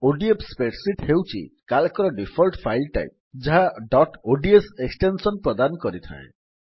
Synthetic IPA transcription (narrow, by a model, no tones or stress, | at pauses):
oɖiepspeʈsiʈhewt͡ʃʰḭkalkɔɾɔɖipʰɔlʈpʰajlʈa̰jp̚d͡ʒaɦaɖɔʈoɖieseksʈensɔnpɾɔd̪anɔkɔɾit̪ʰa̰ḛ